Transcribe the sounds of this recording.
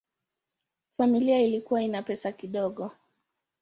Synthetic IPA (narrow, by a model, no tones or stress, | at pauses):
familiailikuwainapɛsakiɗɔɠɔ